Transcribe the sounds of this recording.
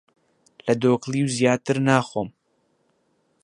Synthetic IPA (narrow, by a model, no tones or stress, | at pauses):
lɐd̪oːklˠiːwzjaːt̪ɨɾnaːxoːm